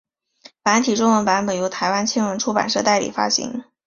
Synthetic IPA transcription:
pa˧˥nt̪ʰi˨˩ʈ͡ʂʊ˥ŋwə˧˥npa˧˥npə˨˩njo˧˥ʊt̪ʰa˧˥ɪwa˥nt͡ɕʰi˥nwə˧˥nʈ͡ʂʰu˥pa̰˨˩nʂɤ˥˧t̪a˥˩ɪlḭ˨˩fa̰˥ɕḭ˧˥ŋ

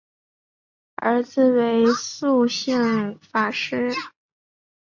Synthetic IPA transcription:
ə̰˞˧˥d͡zɹ̩˧˨we˧˥ɪsu˥˧ɕi˥˩ŋfa˨˩ʂɻ̩˥

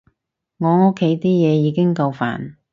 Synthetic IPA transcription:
ŋɔː˨˧ŋo˥kʰːe˨˥jt̪iː˥jɛː˨˧jiː˨˧kɪ˥ŋkɐ˧wfa̰ː˨˩n

